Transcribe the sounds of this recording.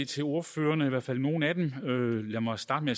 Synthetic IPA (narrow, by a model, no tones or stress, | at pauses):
et͡sʰe̝lo̝ɐfø̰ːɐnəiʋæɐ̰fæl̰no̝ːn̩æd̥emølæmɐsd̥ɑ̈ːd̥meæ